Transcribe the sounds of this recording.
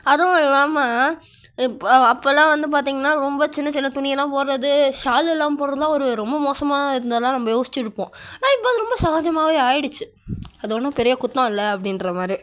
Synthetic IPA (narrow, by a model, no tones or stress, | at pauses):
ɐðõɪlːaːma | ɐpːolːãːʋɐnd̪ɯp̬aːɾt̪̬iːŋɡɐnːaːɾɔmbɐt͡ʃɪnːɐt͡ʃɪnːɐt̪ʊɳɪjɐlːãːpoːɾɐðɯʃaːlɪlːaːmpoːɾɐðɯlãːɔɾɯɾɔmbɐmoːsɐmaːɪɾɯnɐðɐlːãːnɐmːɐjoːsɪ̥t͡ʃːɪɽɯpːõːnãːɪpːoːðɯɾɔmbɐsɐɣaːd͡ʒɐmaːʋeːaːjɪɽɯt͡ʃːɯ | ɐðɯɔnːɐ̃ːpɛɾɪjɐkʊt̪ːõɪlːɐɐpːɐɽɪnɾɐmaːdɾi